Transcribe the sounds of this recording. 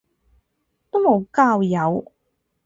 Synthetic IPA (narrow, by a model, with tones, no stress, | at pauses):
t̪o˥mo˨˧wkaː˧wjɐ˨˧w